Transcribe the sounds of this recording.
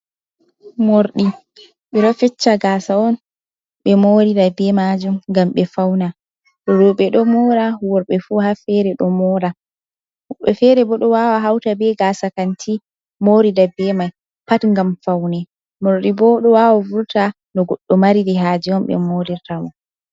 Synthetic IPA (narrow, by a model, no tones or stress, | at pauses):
moɾɗi | ɓɛɗɔfɛt͡ʃːaɡasaɔn | ɓɛmoɾidabɛmad͡ʒumŋɡamɓɛfawna | ɗɔɾɔɓɛɗɔmɔɾahwɔɾɓɛfuhafɛɾɛɗɔmɔɾa | ɓɛfɛɾɛbɔɗɔwawaɦawtabɛɡaːsakantʰi | moɾidabɛmaj | patŋɡamfawnɛ | moɾɗibɔɗɔwawavuɾta | nɔɡɔɗːɔmaɾiɾiɦaːd͡ʒiɔnɓɛ̰moɾiɾtamɔn